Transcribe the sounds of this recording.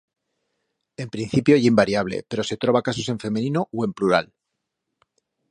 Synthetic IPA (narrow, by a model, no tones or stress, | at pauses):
e̞mpɾin̟θipjoeʝimbaɾjaβ̞le̞̰pe̞ɾo̞se̞t̪ɾo̞β̞akas̬ose̞ɱfe̞menĩno̞we̞mpluɾal